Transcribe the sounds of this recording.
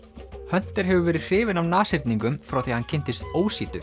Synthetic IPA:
hœn̥t̪ɪɾ̥ɦɛvʏvɛːɾɪ̥r̥ɪːvɪnawnaːsɪɾt̪niŋkʏmfɾawθiːhancʰɪnt̪ɪst̪oːwsiːt̪ʏ

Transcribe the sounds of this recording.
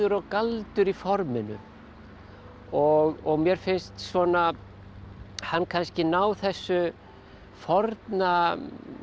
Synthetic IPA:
ʏɾɔɣkalt̪ʏɾifɔɾmɪnʏ̰ | ɔɣɔɣmjɛɾ̥fɪnst̪svɔna | hanːkʰanscɪnaːwθɛsːʏ | fɔɾt̪na

